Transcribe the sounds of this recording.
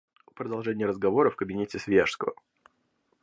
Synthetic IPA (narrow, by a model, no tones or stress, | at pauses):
əpɾəd̪ɐlˠʐɛnʲɪjəɾəzɡɐvo̞ɾəfkəbʲɪnʲetʲɪsvʲeʂskəvə̰